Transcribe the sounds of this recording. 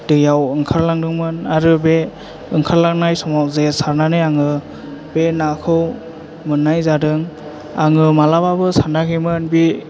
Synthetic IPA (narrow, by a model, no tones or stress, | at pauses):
d̥ɯjawɯŋkʰaɾlaŋdɯŋmɯnaɾɯbe | ɯŋkʰaɾlaŋnajsɔmawzesaɾnanɯjaŋɯ | b̥enakʰɯw | mɯnːajzadɯŋ | aŋɯmalababɯsaɾnakʰemɯnbi